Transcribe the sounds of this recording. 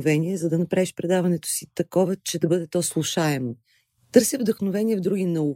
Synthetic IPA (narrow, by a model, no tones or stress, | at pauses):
vɛniɛzɐd̪ɐnɐpɾaviʃpɾɛd̪avɐnɛt̪o̥sit̪ɐkɔvɐt͡ʃɛd̪ɐbɤd̪ɛt̪ɔslˠuʃaɛmo | t̪ɤɾsivd̪əxnovɛniɛvd̪ɾuɡinɐu